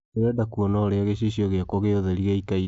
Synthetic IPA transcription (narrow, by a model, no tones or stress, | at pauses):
eɾɛdakuɔnɔɾeaɣeɕiɕiɔɣeakwɔɣeoðɛɾiɣeikai